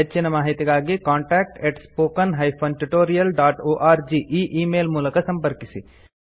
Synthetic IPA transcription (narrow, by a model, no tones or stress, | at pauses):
ɐt͡ʃːinɐmaːɦit̪iɡaːɡikaːɳʈaːk̚ʈeʈspoːkɐnɦɐjpʰɐnʈuʈoːɾijɐlɖaːʈoːʔaːɾd͡ʒiʔiːʔiːmeːlmuːlɐkɐsɐmpɐɾkisi